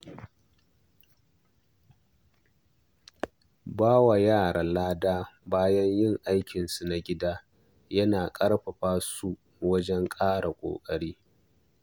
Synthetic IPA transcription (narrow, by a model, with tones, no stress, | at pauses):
baː˦wa˨jaː˦˨ɽa˨laː˦daː˦baː˦jɐ˦ɲjɪ˦˨ŋʔa˦jkʲɪ˨nsu˨na˨ɡʲɪ˦daː˦ | jɐ˦naː˨kʼɐ˦ɽɸɐ˨ɸaː˦su˦ | wɐ˦d͡ʒɛ˦ŋkʼaː˦ɽa˨kʷʼo̰ː˨kʼɐ˦ɽiː˦